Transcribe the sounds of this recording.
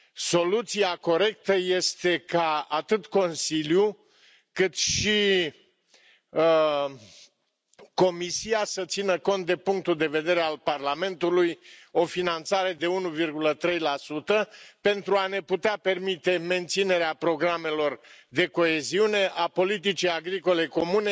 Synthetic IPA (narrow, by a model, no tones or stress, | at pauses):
so̞lut̪siako̞ɾe̞k̚t̪əje̞st̪e̞kaat̪ɨt̪ko̞nsilju | kɨt̪ʃi | ko̞misiasət̪sinəko̞nt̪̚d̪e̞puŋk̚t̪uld̪e̞ve̞d̪e̞ɾealparlame̞nt̪ulujo̞finant̪saɾe̞d̪e̞unuvirɡulət̪ɾe̞jlasut̪əpe̞nt̪ɾuane̞put̪eape̞rmit̪e̞me̞nt̪sine̞ɾeapɾo̞ɡɾame̞lo̞rd̪e̞ko̞eziune̞ʔapo̞lit̪̬it͡ʃijaɡɾiko̞le̞ko̞mune̞